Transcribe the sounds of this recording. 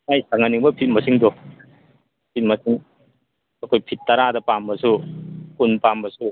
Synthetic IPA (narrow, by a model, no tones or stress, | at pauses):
ŋajsaŋaniŋbɐpʰit̚mɐsiŋdɔ | pʰit̚mɐsiŋ | ɐkʰojpʰitːaɾadɐpambɐsukunpambɐsu